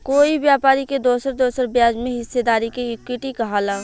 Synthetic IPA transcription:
koːibjaːpaːɾiked̪oːsəɾd̪oːsəɾbjaːd͡ʒmẽɦɪsːed̪aːɾikeʊkwɪʈikɐɦaːlaː

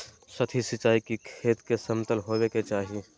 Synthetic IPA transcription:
sɐt̪ʰisɪt͡ʃaːikikʰeːt̪kesəmt̪əlɦoweket͡ʃaːɦie

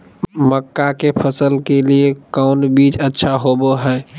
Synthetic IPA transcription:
məkːakepʰəsəlkeliekaʊnbit͡ʃətːʃʰaɦoboɦɛː

